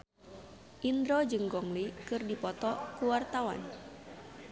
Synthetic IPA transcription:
ʔind̪ɾɔd͡ʒɨŋɡɔŋlikɨrdipɔt̪ɔkuwart̪awa̰n

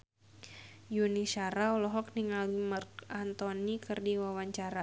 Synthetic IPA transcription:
junisaɾaɔlɔɦɔk̚niŋalimarkant̪ɔnikɨrdiwawaɲt͡ʃaɾa

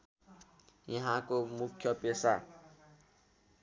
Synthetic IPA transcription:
jʌɦãkomukʰːjʌpesa

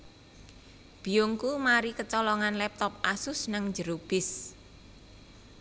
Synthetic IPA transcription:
b̥i̤joŋkumaɾikət͡ʃɔlɔŋanlɛp̚t̪ɔpasʊsnəŋd͡ʒəɾob̥ɪs

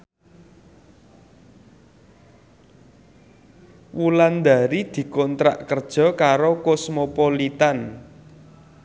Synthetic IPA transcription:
wuland̪a̤ɾid̪̥i̤kɔnt̪ɾa̰ʔkərd̥ʒ̥ɔ̤kaɾokosmopolit̪an

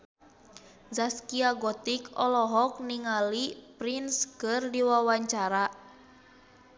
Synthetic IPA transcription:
zaskiaɡɔt̪ikɔlɔɦɔk̚niŋalipɾinskɨrdiwawaɲt͡ʃaɾa

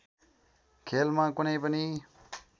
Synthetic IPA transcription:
kʰeːlmãːkʊnẽːbəniː

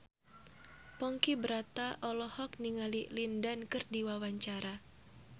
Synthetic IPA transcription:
pɔŋkibəɾat̪aʔɔlɔhɔk̚niŋalilindankɨrdiwawaɲt͡ʃaɾa

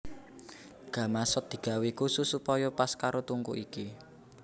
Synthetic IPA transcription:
ɡ̥ä̤masɔt̪̚d̪̥i̤ɡ̥a̤wikususupɔjɔpaskaɾot̪uŋkṵʔiki

